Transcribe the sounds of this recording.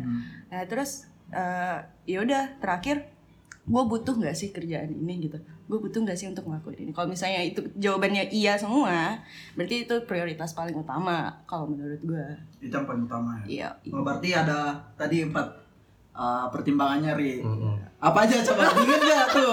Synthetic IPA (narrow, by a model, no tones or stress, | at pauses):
nat̪əɾʊsʔə | jaudaht̪əɾakɪr | ɡuabut̪ʊhŋɡaʔsɪhkərd͡ʒaʔanḭnɪɡit̪uɡuabut̪ʊhŋɡaʔsɪunt̪ʊk̚məlakunḭnikalomisalɲait̪ud͡ʒawabanɲaʔiasəmuabəərt̪iːt̪upɾioɾit̪aspalɪŋut̪a̰makalomənuɾʊt̪̚ɡuait̪ampalɪŋut̪amajaja̰bərt̪iadat̪adiəmpat̪̚ | ʔəpərt̪imbaŋanɲaɾɪ | apaːd͡ʒat͡ʃakad͡ʒuɡɪd͡ʒat̪ʊ